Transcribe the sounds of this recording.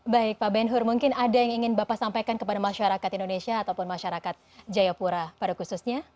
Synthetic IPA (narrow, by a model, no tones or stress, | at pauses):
baɪk̚pabɛnɦʊrmuŋkɪnadajaŋiŋɪnbapasampajkankəpadamaʃaɾakat̪indonesiaːt̪awpʊnmaʃaɾakat̪̚d͡ʒajapuɾapadakususɲa